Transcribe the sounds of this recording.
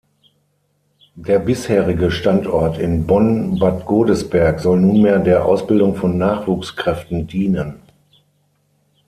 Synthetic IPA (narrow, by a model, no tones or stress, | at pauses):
d̥eːɐbɪsheːʁɪɡəʃtantɔɐtɪnbɔnbatɡ̥oːdəsb̥ɛɐkz̥ɔlnuːnmeːɐdeːɐʔa̰ʊsb̥ɪldʊŋfɔnːaːχv̥uːkskʁ̥ɛftn̩diːnən